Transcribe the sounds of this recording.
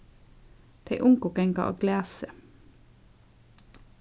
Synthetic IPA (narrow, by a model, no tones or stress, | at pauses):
d̪̥eɪʔʊŋkɔkɛŋkɑ̰ʔo̰ːɡlæːsə